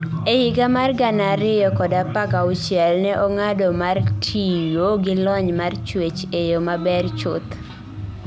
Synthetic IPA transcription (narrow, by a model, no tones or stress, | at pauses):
ehɪɡamarɡanaɾɪjɔkɔdapakaʊt͡ʃjɛlnɛʔɔŋadɔmartʰijoɡɪlɔɲmart͡ʃwet͡ʃejomabɛrt͡ʃʊt̪